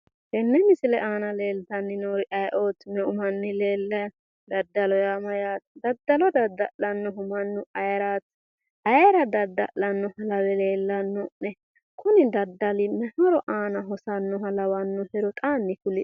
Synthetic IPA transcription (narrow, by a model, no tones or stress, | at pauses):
hɛnːɛmɪsɪlɛʔaːnɐleːlt̪ɐnːɪnoːɾɪʔɐjʔoːt̪mɛʔʊmɐnːɪle̞ːlːɐ | d̪ɐd̪ːɐlɔjaːmɐjaːt̪d̪ɐd̪ːɐlɔd̪ɐd̪ɐ̰ʔlɐnːɔɦʊmɐnːʊɐjɐɾaːt̪ | ʔɐjɛɾɐd̪ɐd̪ːɐ̰ʔlɐnːɔhɐlɐlɛle̞ːlːɐnːɔnɛ | kʰʊnɪd̪ɐd̪ːɐlɪmɛhɔɾɔʔaːnɐɦɔsɐnːɔɦɐlɐwɐnːɔhɛɾɔt̪ʼaːnːɪkʊlɪ